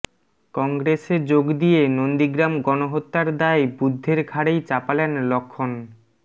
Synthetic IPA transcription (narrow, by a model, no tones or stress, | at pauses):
kɔŋɡɾesed͡ʑoɡd̪ijenond̪iɡɾamɡɔnoɦot̪ːaɾd̪aebud̪ʱːeɾɡʱaɽejt͡ɕapalenlokʰːon